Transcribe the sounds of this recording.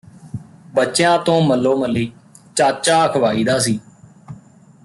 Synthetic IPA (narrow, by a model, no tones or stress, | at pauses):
bətːt͡ʃjãːt̪õːməlːoːməlːiː | t͡ʃaːt͡ʃaːəkʰəʋaːiːd̪aːs̬iː